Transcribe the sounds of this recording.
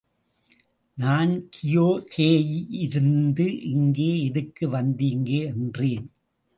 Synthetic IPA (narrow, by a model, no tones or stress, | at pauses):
naːnkʰɪjoːkeːjʔɪɾɯnd̪ɯʔɪŋɡeːɛðɯkːɯʋɐnd̪iːŋɡeːɛndreːn